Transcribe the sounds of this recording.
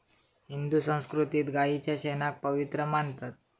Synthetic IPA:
ɦind̪usə̃w̃skɾut̪iːt̪ɡait͡ɕjaɕɛnak̚pəʋit̪ɾəmant̪at̪̚

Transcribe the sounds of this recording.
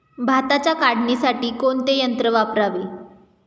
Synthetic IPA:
bʱat̪at͡ɕjakaɽɳisaʈiːkoɳt̪ejənt̪ɾəʋapɾaʋiː

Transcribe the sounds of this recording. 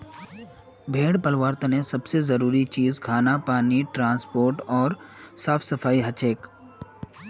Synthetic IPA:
bʱẽːɽpɐlʋaːɾt̪ənẽsɐbsezɐɾuːɾit͡ʃiːzkʰaːnapaːniʈɾãːnspoːɾʈɔːɾsaːfʰsɐfʰaːiɦɐt͡ʃeːk

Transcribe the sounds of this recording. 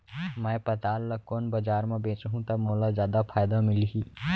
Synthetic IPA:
mɛ̃ːpɐt̪aːlːɐkːoːnbɐd͡ʒaːɾmẽbẽːt͡ʃɦũt̪ɐbmoːlazjaːd̪apʰaːjd̪amɪliɦiː

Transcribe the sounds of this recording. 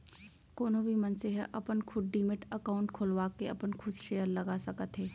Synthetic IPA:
koːnõbʱimɐnseɦɛʔɐpənkʰʊd̪ɖiːmɪʈɐkaːʊ̃ɳʈkʰoːlʋaːkeɐpənkʰʊd͡ʒʃeːjəɾlɐɡasɐkət̪ɦɛː

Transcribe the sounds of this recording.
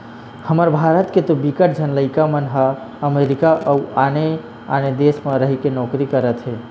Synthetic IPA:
həməɾbʱaɾət̪ket̪obikəʈ̚d͡ʒʱənləɪkamənɦə | əmeɾikaʔəuane | a̰ned̪esmeɾəɦikenɔkɾikəɾət̪ɦe

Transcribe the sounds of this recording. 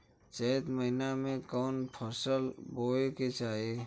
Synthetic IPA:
t͡ʃət̪məɪnamẽkɔːnpʰɔsəlboːeket͡ʃaːe

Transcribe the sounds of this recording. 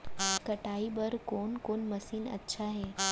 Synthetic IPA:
kɐʈaːibɐɾkoːnkoːnmɐsiːnɐ̰tːʃʰaɦɛː

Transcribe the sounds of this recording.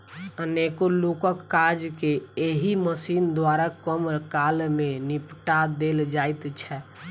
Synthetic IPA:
ənekolokəkːad͡ʒkeeɦiməsind̪waɾakəmɾkalmenipʈad̪eld͡ʒajt̪t͡ʃʰɛ

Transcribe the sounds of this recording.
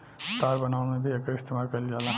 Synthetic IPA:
t̪aːɾbɐnaunmẽbʱiekəɾɪst̪imaːɾkəld͡ʒaːlã

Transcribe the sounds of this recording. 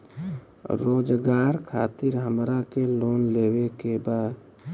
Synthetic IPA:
ɾoːd͡ʒɡaːɾkʰaːt̪ɪɾɦə̃mɾakeloːnleːwekebaːd̪

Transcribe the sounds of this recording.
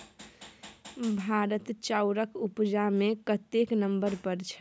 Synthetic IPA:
bʱaɾət̪t͡ʃaʊɾəkupd͡ʒamekət̪eknəmbəɾpəɾt͡ʃʰə̥

